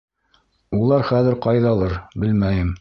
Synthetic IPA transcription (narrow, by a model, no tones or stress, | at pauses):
ulˠɑɾχæðɘɾqɑjðɑlˠɤɾbɘlmæjɘm